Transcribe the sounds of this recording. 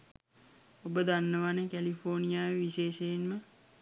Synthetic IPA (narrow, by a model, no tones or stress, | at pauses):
obəd̪anːəʋanəkælifʰoːnijaːjʋiʃeːʃeːnmə